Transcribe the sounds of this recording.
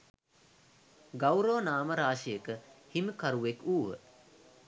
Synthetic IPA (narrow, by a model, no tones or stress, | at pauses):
ɡawɾoːnaːməɾaːʃijəkəhimkaɾuʋekuːɦə̰